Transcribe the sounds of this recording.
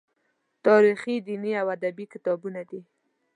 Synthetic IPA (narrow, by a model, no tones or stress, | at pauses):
t̪ɑɾixid̪iniawad̪abikɪt̪ɑbunad̪i